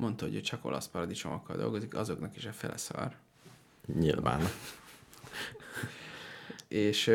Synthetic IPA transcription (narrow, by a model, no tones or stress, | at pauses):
mo̞nt̪ɒɦoɟoct͡ʃɒko̞̰lʔɒspɒɾɒd̪it͡ʃo̞mʔɒkːɒld̪o̞̰lɡo̞zikɒzo̞knɒkiʃɛfɛlɛsɒr | ɲilva̰ːn | eːʃ